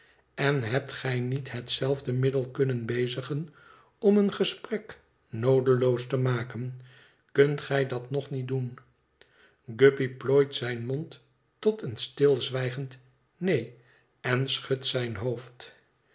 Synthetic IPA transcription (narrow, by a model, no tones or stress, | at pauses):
ɛnɦɛp̚tχɛjnitɦətsɛlˠvdəmɪdəlˠkɵnənbejzəχən | ɔmənχəsprɛk | nowdəlowstəmaːkən | kɵntχɛjdɑtnɔχnitdun | ɡøpiploːjtsɛjnmɔntː | ɔtənstɪlˠzʋɛjχənt | nej | ɛnsχøtsɛjnɦowft